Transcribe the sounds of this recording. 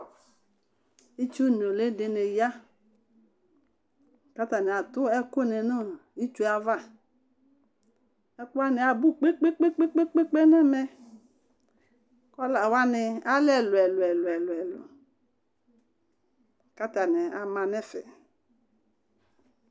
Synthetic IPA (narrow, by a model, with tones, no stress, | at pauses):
i˦t͡ʃu˦˨n˨o˨le˦de˨ne˨ja˦ | ka˦ta˨ne˨a˨tʊ˦ɛ˦ko˦˨nɛ˨no˦ | i˦t͡ʃu˦a˨va˦ | ɛ˦ku˦a˦nɪ˨a˨bu˦k͡pe˦k͡pe˦k͡pe˦k͡pe˦k͡pe˦k͡pe˦k͡pe˦nɛ˦mɛ˦ | kɔ˦la˨wa˦nɪ˨a˦lɛ˨lʊ˨ɛ˨lʊ˨ɛ˨lʊ˨ɛ˨lʊ˨ɛ˨lʊ̰˨ | ka˦ta˨nɛ˨a˨ma˨nɛ˦fɛ̰˨